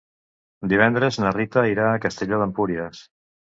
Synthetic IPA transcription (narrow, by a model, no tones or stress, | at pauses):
d̪iβ̞ɛnd̪ɾeznərit̪əiɾaːkəst̪eʎoðəmpuɾiəs